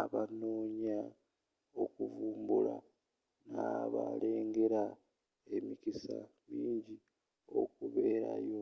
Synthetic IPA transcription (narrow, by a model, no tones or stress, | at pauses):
aβanoːɲa | okuvuːmbula | naβale̞ːŋɡe̞ɾa | e̞mikisamiːɲɟi | o̞kuβe̞ːɾajo